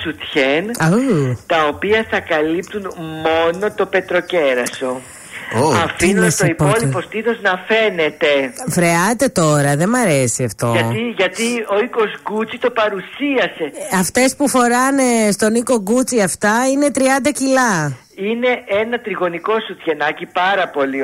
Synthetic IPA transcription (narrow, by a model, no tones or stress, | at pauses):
sut̪çenɐt̪ɐopiɐθɐkɐlipt̪unmo̞no̞t̪o̞pe̞t̪ɾo̞ce̞ɾɐso̞ | ɐ̰finsoipolipo̞st̪iθo̞znɐfe̞ne̞t̪e̞fɾe̞ɐt̪e̞t̪o̞ɾɐðe̞mɐɾe̞siɐft̪o̞̰ɐt̪iʝɐt̪io̞iko̞zɡut͡sit̪o̞pɐɾusiɐse̞ɐft̪e̞spufo̞ɾɐne̞st̪o̞niko̞ɡut͡siɐft̪ɐine̞t̪ɾiɐnd̪ɐcilɐ | ine̞ʔenɐt̪ɾiɣo̞niko̞sut̪ʝe̞nɐcipɐɾɐpo̞li